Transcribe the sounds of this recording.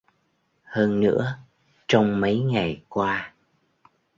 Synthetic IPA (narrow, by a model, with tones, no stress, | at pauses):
həː˧nːɨ̰˧˥ə | t͡ɕɔ˧wŋ͡mmə˨˦jŋa˨˩jkwaː˧